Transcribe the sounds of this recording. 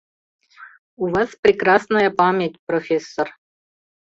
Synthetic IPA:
uvɑsprʲɪkrɑsnɐjəpamʲetʲprofʲesːor

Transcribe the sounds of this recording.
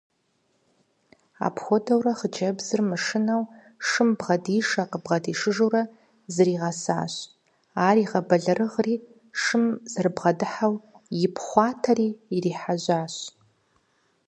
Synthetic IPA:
a̰pʰxʷodawraχd͡ʒɐbzɨrmaʂɨnaw | ʂɨmbʁadiʂaqʼəbʁadiʂɨʐoɾa | zɨriʁasa̰ːɕ | aːriʁabaɮarɨʁri | ʂɨmzɨrbʁadɨħawjɪpʰχʷɑːtʰariːriħaʒʷaːɕ

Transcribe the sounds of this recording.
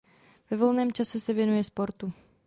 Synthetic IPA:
v̥ɛvolnɛːmt͡ʃasɛsɛvjɛnujɛspo̞ɾt̪u

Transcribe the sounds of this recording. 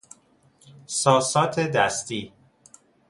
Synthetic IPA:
sɒːsɒːt̪ʰed̪æst̪iː

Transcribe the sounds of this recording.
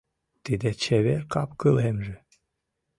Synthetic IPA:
t̪id̪et͡ɕeβerkɑpkɤlemʒɘ̆

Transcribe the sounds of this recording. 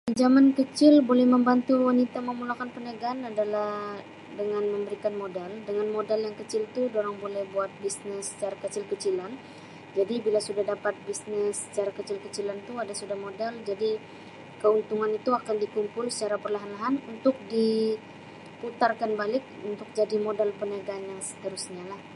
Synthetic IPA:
əd͡ʒamankət͡ʃɪlbolɛhməmbant̪uwanit̪aməmulakanpənaɡaanadalah | dəŋanməmbəɾikanmodaldəŋanmodaljaŋkət͡ʃɪlt̪udoɾaŋbolɛhbuat̪̚bisnɪsːə̥t͡ʃaɾakət͡ʃɪlkət͡ʃilan | d͡ʒadibilasudahdapat̪̚bisnɪsːə̥t͡ʃaɾakət͡ʃɪlkət͡ʃilant̪uadasudahmodald͡ʒadi | kəunt̪uŋanit̪uakandikumpʊlsə̥t͡ʃaɾapərlaɦanlaɦanunt̪ʊk̚di | put̪arkanbalɪk̚unt̪ʊk̚d͡ʒadimodalpənaɡanɲasə̥t̪əɾusɲalah

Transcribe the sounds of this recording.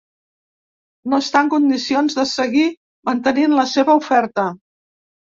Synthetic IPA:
noəst̪aəŋkund̪isionzðəsəɣi | mənt̪əninləseβəufɛɾt̪ə

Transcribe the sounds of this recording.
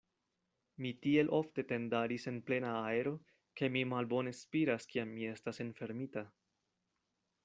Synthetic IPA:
mitie̞lʔo̞fte̞te̞ndaɾise̞nple̞naːe̞ɾo̞ | ke̞mimalbo̞ne̞spiɾaskiamːie̞stasenfe̞ɾmita

